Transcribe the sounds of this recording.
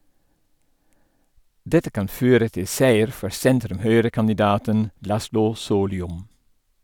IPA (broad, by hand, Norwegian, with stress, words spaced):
ˈdɛtə ˈkɑn ˈføːɾə ˈtɪ ˈsæɪəɾ ˈfɔɾ ˈsɛntɾʉmˌhœʏɾəkɑnɪˌdɑːtən ˈlɑslʊ ˈsoːlʏʊm